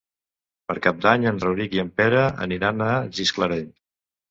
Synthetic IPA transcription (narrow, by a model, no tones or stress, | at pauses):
pəɾkap̚d̪aɲənrəwɾikiəmpɛɾəə̰niɾanəʒiskləɾeʎ